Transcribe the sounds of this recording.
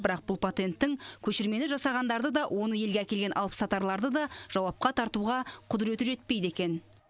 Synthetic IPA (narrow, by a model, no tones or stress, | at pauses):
bɪɾɑq̚bʊlˠpʰat̪e̞nt̪ːɪŋkʲʰɵʃɪɾme̞nɪʒɑsɑʁɑnd̪ɑɾd̪əd̪ɑwʔo̞nəje̞lɡʲeækʲe̞lɡʲe̞nʔɑlˠpə̥sɑt̪ɑɾlˠɑɾd̪əd̪ɑʒ̥ɑwɑp̚qɑt̪ʰɑɾt̪uʁɑqʰʊd̪ɪɾe̞t̪ɪʒe̞t̪̚pe̞jd̪e̞kʲe̞n